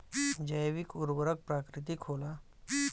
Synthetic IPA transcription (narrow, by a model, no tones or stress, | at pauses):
d͡ʒəjʋikʊɾwəɾək̚pɾaːkɾɪt̪̬ikʰoːla